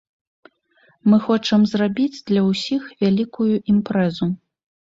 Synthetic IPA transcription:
mɨxɔt͡ʂɐmzrabʲid͡zʲd̪lʲɐwsʲixvʲalʲikujuʔimpɾɛzu

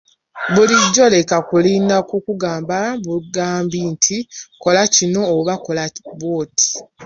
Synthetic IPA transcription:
βuliɟːo̞le̞kakuliːnakukuɡaːmbaβuɡaːmbintʰiko̞lacino̞ːβako̞laβoːtʰi̥

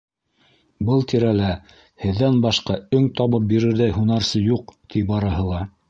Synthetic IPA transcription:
bɤlˠt̪iɾælæ | hɘ̆ðːænbɑʃqɑɵŋt̪ɑβɤp̚biɾɘ̆ɾðæjɦunɑɾsɤjuqt̪ʰibɑɾɤ̆ɦɤ̆lˠɑ

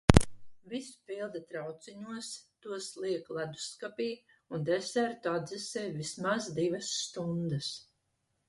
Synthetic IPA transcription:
visu̥pilˠd̪at̪ɾawt̪siɲuɔst̪uɔslˠiɛklˠad̪u̥skapiː | und̪ɛsæɾt̪uad̪zisɛːvismazd̪ivasːt̪und̪əs

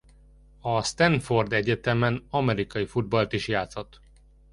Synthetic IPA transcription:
ɒst̪ɛnfo̞rd̪ɛɟɛt̪ɛmɛnɒmɛɾikɒjifud̪̚bɒlt̪iʃjaːt̪so̞t̪

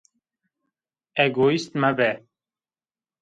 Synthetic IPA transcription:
ɛɡoːist̪mæbɛ

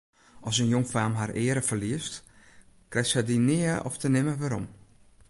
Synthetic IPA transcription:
ʔɔsənjoŋfaːmɦarʔɪːəɾəfərliəst | krɛsɛdinɪəɔ̰ftənɪməʋaɾɔ̰m

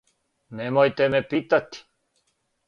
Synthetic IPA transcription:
nemojt̪emepit̪at̪i̥

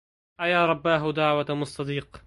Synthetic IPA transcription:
ʔajaːɾˤɑbːaːɦʊd̪aʕwamʊsˤt̪ːɑd̪iːq

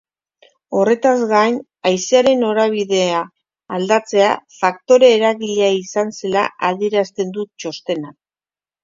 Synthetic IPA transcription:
o̞re̞t̪azɣan | ajseaɾe̞no̞ɾaβ̞iðe̞aː | ld̪at͡se̞afakt̪o̞ɾe̞ːɾaɣiʎeaisanse̞la̰ʔað̞ieɾast̪e̞nd̪ut̪̚t͡ʃo̞st̪e̞nak̚

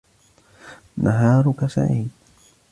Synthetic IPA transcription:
nʔaɦaːɾʊkasa̰ʕiːd

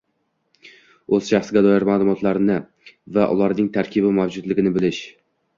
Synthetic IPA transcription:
ɵz̥ʃaχsɡʲad̪ɒjɪɾmaːlˠʊmɒt̪ʰlaɾnɪ | vaʔʊ̰lˠaɾnɪŋt̪ʰaɾkʲʰɪbɪmawd͡ʒʊd̪lɪɡʲɪnɪbɪlɪʃ

